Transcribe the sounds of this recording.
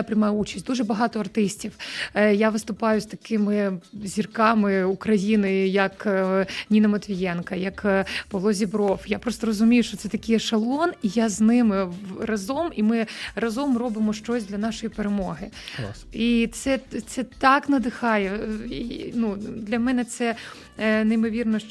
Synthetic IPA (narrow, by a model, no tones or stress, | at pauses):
apɾʲɪmɑjʊut͡ʃɐ̥sʲd̪uʒɛbɐɦɑt̪ɔɐrt̪ɪsʲtʲiwjaʋɪst̪ʊpɑjʊst̪ɐkɪmɪzʲirkɑmɪukɾɐjinɪjɐknʲinɐmɐt̪ʋʲijɛnkɐjɐkpɔlˠɔzʲibɾɔfjapɾɔst̪ɔɾɔzʊmʲijʊʃt͡ʃɔt̪sɛt̪ɐkʲɪjɛʃɐlˠɔnijaznɪmɪrɐzɔmimɪrɐzɔmrɔbɪmɔʃt͡ʃɔsʲd̪lʲɐnɑʃɔjipeɾemɔɦɪ | it̪sɛt̪sɛt̪ɑknɐd̪ɪxɑjɛ | nud̪lʲɐmɛnɛt̪sɛ | nejmɔʋʲirnɔ